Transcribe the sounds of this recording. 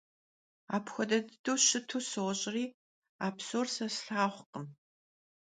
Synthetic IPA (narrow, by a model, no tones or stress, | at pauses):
a̰ːpxʷɔdɐdɨdoːɕɨtʰuːsowɔɕʼɪriː | aːpsoːrsɐsɬaːχʷqəm